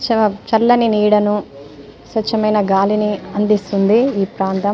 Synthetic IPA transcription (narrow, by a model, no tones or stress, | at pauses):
t͡ʃɐt͡ʃɐlːɐniniːɽɐnu | sʋɐt͡ʃːɐmɐjnɐɡaːliniɐnd̪ist̪und̪iiːpɾaːnt̪ɐ